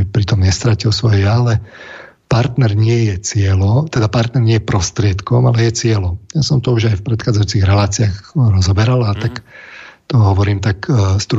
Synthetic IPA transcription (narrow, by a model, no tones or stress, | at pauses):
ipɾit̪ɔmɲɛst̪ɾacilsʋɔjɛjalɛ | paɾt̪nɛɾɲɪɛjɛt͡sɪɛlɔt̪ɛd̪apaɾt̪nɛɾɲɪɛjɛpɾɔst̪ɾɪɛt̪kɔmalɛjɛt͡sɪɛlɔjasɔmt̪ɔuʒajfpɾɛt̪xaːd͡zajuːt͡siɣɾɛlaːt͡siaːxɾɔzɔbɛɾalat̪akt̪ɔɦɔʋɔɾiːmt̪akst̪ɾu